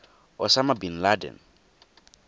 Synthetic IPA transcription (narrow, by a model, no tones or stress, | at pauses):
ɔsamabin̩ladɛ̰n